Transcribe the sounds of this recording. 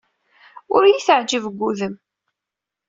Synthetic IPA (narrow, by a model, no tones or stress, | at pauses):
ʊɾjiθəʕd͡ʒəvəɡʷːuðəm